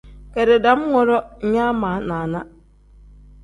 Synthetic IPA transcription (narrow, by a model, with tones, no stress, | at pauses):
kɛ˨ɾɪ˨da˨˦m˦ŋɔ˨ɾɔ˦ɲã˦mãː˨nãː˨nã˦